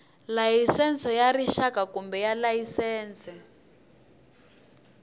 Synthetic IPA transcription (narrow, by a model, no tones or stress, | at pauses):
lajisɛnsɔjariʃakakumbɛjalajisɛːnsɛ